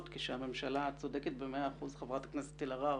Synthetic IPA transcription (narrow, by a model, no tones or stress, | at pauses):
t̪keʃehame̞mʃalat͡so̞d̪eket̪bemeaːχuzχevʁat̪hakneset̪ːilaʁa